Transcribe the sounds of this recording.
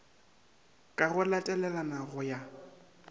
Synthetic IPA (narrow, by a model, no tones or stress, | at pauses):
kʼaɣʊlatʼɛlɛlanaɣʊja